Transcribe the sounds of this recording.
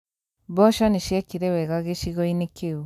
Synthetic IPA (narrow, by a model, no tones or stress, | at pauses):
bɔʃɔniʃekiɾewɛɣaɣeʃiɣɔinekeu